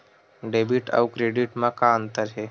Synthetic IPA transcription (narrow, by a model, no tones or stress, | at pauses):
ɖebiʈa̰wkɾeɖiʈmãkaənt̪əɾɦe